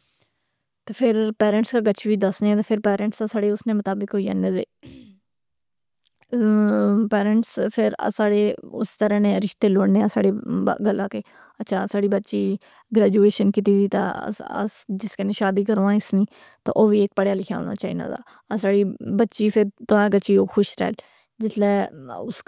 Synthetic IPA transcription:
t̪eːpʰɪɾpɛːɾə̃ɳʈskaːɡət͡ʃʋiːd̪əsneːt̪eːpʰɪɾpɛːɾə̃ɳʈsaːsaːɽeːʊsnẽːmət̪aːbɪkɦoiːə̰nẽːzḛː | pɛːɾə̃ɳʈspʰɪɾ̰saːɽeːʊst̪əɾãːnẽːɾɪʃt̪eːloːɽneːãːsa̰ːɽḛːɡəlaːkeː | ətːʃʰaːsaːɽiːbətːʃiː | ɡɾɛːd͡ʒuːeːʃənkɪt̪iːt̪iːt̪a̰ːə̰sd͡ʒɪskeneːʃaːd̪iːkəɾoːãɪsnĩː | t̪o̰ːʔoːʋiːeːk̚pəɽjaːlɪkʰja̰ːɦo̰ːna̰ːt͡ʃaːḭːna̰ːda̰ː | saːɽiːbətːʃiːpʰɪɾt̪oãːɡəːt͡ʃiːoːxʰʊʃɾɛ̰ːl | d͡ʒɪt̪ʰlɛːʊs

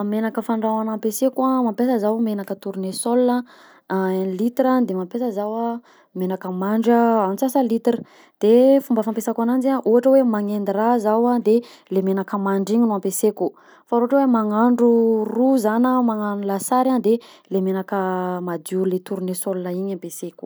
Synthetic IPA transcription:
menakəfaɳɖ͡ʐawanampesekamampesəzawmenakət̪uɾunesolunə | nlit̪iɾand̪emampesəzawa | menakəmaɳɖ͡ʐəamisasəlit̪ɾə̥ | d̪̥efumbəfampesakanand͡ʒaʔuɦaʈ͡ʂəwemaŋend̪iɾazawad̪e | lemenakəmaɳɖ͡ʐiɲinuampeseku | faɾoaʈ͡ʂəwemaŋaɳɖ͡ʐuruzanəmaŋanulasaɾand̪elemenakəmad̪ulet̪uɾunesolunəiɲampeseku̥

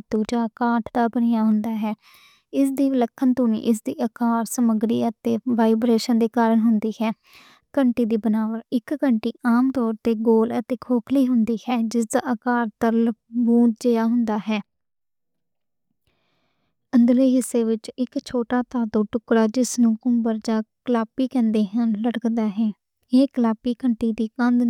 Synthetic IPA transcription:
t̪uːt͡ʃaːkaːʈʰd̪aːbənɪjaːɦʊnd̪aːɦɛː | ɪsd̪iːləkʰːənt̪uːnḭːʔɪs̬d̪iːʔəkaːɾsəməɡɾiːət̪eːʋaːɪbɾeːʃənd̪eːkaːɾəɳɦʊnd̪iːhɛː | kəɳʈiːd̪iːbənaːʋəɾɪkɡəɳʈiːʔaːmt̪ɔːɾt̪eːɡoːlət̪eːkʰoːkʰliːɦʊnd̪iːhɛːd͡ʒɪs̬d̪aːʔəkaːɾt̪əɾlbuːʈd͡ʒeːjaːɦʊnd̪aːɦɛː | ənd̪leːɦɪsːeːʋɪt͡ʃɪkt͡ʃʰoːʈaːt̪aːd̪oːʈʊkɾaːd͡ʒɪsnũːkʊmbəɾd͡ʒaːkəlaːpiːkɛ̃ːnd̪eːɦənləɽəkd̪aːɦɛː | eːkəlaːpiːkəɳʈ̪iːd̪iːkənd̪

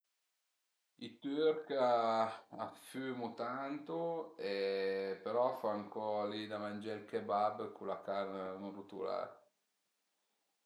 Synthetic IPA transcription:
it̪yɾka | afyːmut̪ant̪uepeɾɔfaːŋkʰɔlid̪amand͡ʒalkebabkʰulakarnanrut̪ṵla̰ːɾ

